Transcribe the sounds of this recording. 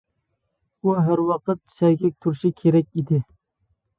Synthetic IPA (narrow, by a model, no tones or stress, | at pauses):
uɦæɾwɑqət̪̚sɛjɡʲɛk̚ʲt̪ʰuɾʃikʲʰeɾɛk̚ʲid̪ɪ